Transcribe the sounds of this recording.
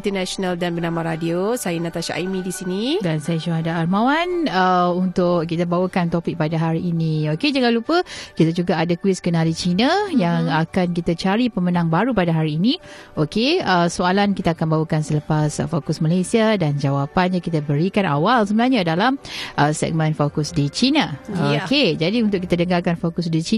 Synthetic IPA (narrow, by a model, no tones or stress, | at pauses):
int̪ənaonaldanbənamaɾadiosajanat̪aʃaʔa̰jmidisinidansajaʃuɦadaːlmawanəunt̪ʊʔkit̪abawəkant̪opɪk̚padaɦaɾiːnioked͡ʒəŋãnlupəkit̪ad͡ʒuɡaʔːdakuɪskənalit͡ʃinəjaŋakankit̪at͡ʃaɾipəmənãŋbaɾupadaɦaɾiːniʔokeəsoalankit̪aːkanbawəkansələpasfokʊsmalajsiadand͡ʒawapanɲakit̪abəɾikana̰walsəbənahɲadalamʔəsɛ̰ɡ̚mə̃nfokʊsdit͡ʃinaoked͡ʒadiunt̪ʊʔkːit̪adəŋarkanfokʊsdit͡ʃi